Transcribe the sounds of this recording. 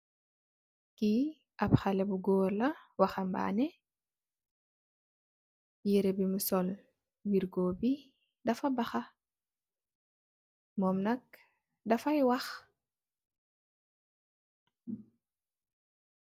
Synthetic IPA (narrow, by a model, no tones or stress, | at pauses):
ki | ɐpxalɛbuɡɔːrlɐwaxɐmba̰ːnɛ | jiɾebimusɔl | wiɾɡɔːbi | dɐfɐbaxa | mɔmnɐk̚ | dɐfajwɐx